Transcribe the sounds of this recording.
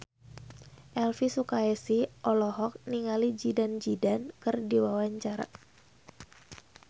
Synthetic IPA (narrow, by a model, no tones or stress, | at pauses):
ʔɛlfisukaɛsiʔɔlɔɦɔk̚niŋalid͡ʒidand͡ʒidankɨrdiwawaɲt͡ʃaɾa̰